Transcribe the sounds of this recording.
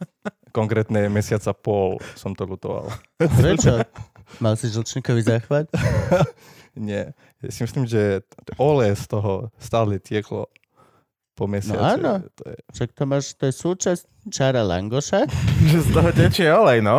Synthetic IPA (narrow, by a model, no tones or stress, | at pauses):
kɔŋkɾɛt̪ɲɛmɛsɪat͡sapɔlsɔmt̪ɔlut̪ɔʋa̰l | pɾɛt͡ʃɔmalsiʒl̩t͡ʃɲikɔʋizaːxʋaʎ | ɲɛ | jasimislimʒɛʔɔlɛst̪ɔɦɔst̪aːlɛɛt̪ɪɛklɔ̰ | pɔmɛsnɔa̰aːnɔɔjɛ̰ʃak̚t̪ɔmaʒt̪ɔjɛsuːt͡ʃas | t͡ʃaɾala̰ŋɡɔʃaʒɛst̪ɔɦɔdɛt͡ʃijɛɔlɛjnɔ